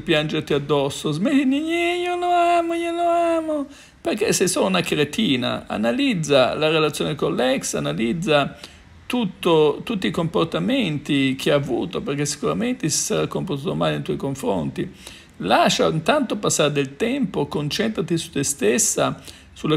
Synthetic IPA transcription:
pjand͡ʒert̪iad̪ːɔsːozmeliniɲejonoamojonoaːmo | perkesːesolunakɾet̪iːna̰a̰nalid̪zːalarelat̪sjoːnekolːɛksa̰nalid̪zːa | t̪ut̪ːot̪ut̪ːiːkomport̪amɛnt̪ik̟ʰeavṵːt̪operk̟esːi̥kuɾament̪esi̥saɾakːompoɾt̪ut̪omaːlint̪ɔjkoɱfɾo̰nt̪i | laʃaint̪ant̪opasːaɾed̪elt̪ɛmpokont͡ʃɛnt̪ɾat̪isu̥t̪ːest̪esːa | sula

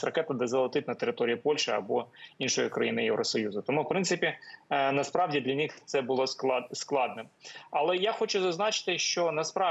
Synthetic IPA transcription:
sʲrɐkɛt̪ɐd̪ɛzɐlˠɐt̪ɪt̪nɐt̪eɾɪt̪ɔɾʲijipɔlʲʃɛɐ̰bɔinʃɔjikɾɐjinɪjɛ̰wɾɔsɔjuzʊt̪ɔmuwpɾɪnt̪sɪpʲinɐspɾɑwdʲid̪lʲɐnʲixt̪sɛbʊlˠɔsklˠɑd̪̚nɪmɐlˠɛjaxɔt͡ʃʊzɐznɑt͡ʃɪ̥t̪ɪʃt͡ʃɔnɐspɾɑ

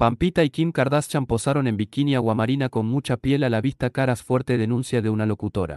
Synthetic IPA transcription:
pampit̪aikimkaɾðast͡ʃampo̞saɾo̞ne̞mbikinjaɣwamaɾinako̞nmut͡ʃapje̞lalaβist̪akaɾasfwe̞ɾt̪e̞ðe̞nũnsjaðe̞unalo̞kut̪o̞ɾa̰

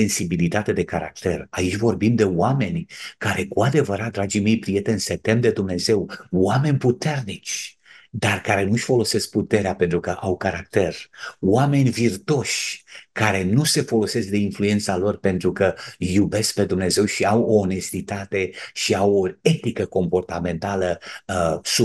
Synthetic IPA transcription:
ensibilit̪at̪e̞d̪e̞kaɾa̰k̚t̪e̞rait͡ʃʲvo̞rbimd̪e̞wame̞nʲkaɾe̞kuad̪e̞vəɾat̪̚d̪ɾad͡ʒime̞jpɾije̞t̪enset̪emd̪e̞d̪umne̞ze̞wwame̞nʲput̪e̞rnit͡ʃʲ | d̪arkaɾe̞nuʃʲfo̞lo̞se̞sk̚put̪e̞ɾeape̞nt̪ɾukəʔawkaɾak̚t̪e̞rwame̞nʲvirt̪o̞ʃʲkaɾe̞nuse̞fo̞lo̞se̞sk̚d̪e̞influe̞nt̪salo̞rpe̞nt̪ɾukəjube̞sk̚pe̞d̪umne̞ze̞wʃiawoːne̞st̪it̪at̪e̞ʃiawoe̞t̪ikəko̞mpo̞rt̪ame̞nt̪alə | su

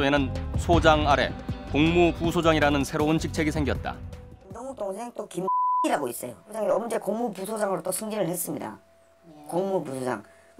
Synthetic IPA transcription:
enɯnsʰod͡ʑaŋaɾe̞̰koŋmupusʰod͡ʑaŋiɾanɯnsʰe̞ɾount͡ɕik̚t͡ɕʰe̞ɡisʰeŋɡjʌt̚t͈a̰kimdoŋutʰoŋsʰe̞ŋt͈okimiɾaɡois͈ʌjood͡ʑaŋiʌmd͡ʑe̞koŋmupusʰod͡ʑaŋɯɾot͈osʰɯŋd͡ʑinɯɭhes͈ɯmɲida̰ | koŋmupusʰod͡ʑa̰ŋ

